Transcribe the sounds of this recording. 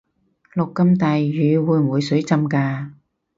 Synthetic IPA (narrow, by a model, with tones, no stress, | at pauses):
lʊ˨kːɐ˥mt̪a˨jjyː˨˧wuː˨˧jm̩˨wuː˨˧jsɵ˨˥ɥt͡sɐ˧˥mkaː˧